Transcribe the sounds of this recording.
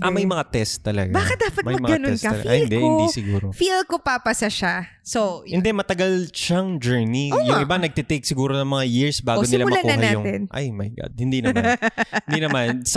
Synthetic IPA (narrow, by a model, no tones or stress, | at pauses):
ʔmɐjmɐŋat̪ɛst̪ːɐlɐɡabaːkɐt̪̚d̪aːpɐtmɐjmɐɡanoɛnskɐɐlɐ̰ɡɐhɪnd̪ɛɪnisɪɡuːɾofilkopapɐsɐʃa | soɪnd̪ɛmɐt̪ɐɡalʃaŋd͡ʒɛɹniojʊŋɪbanɐɡ̚t̪ɛt̪ejk̚sɪɡuːɾonɐŋmɐŋajiɹsbaːɡonɪlamɐlankuɐhɐajʊŋɛnʔa̰jmɐjɡa̰d̪̚hɪnd̪inɐmɪnd̪inɐmans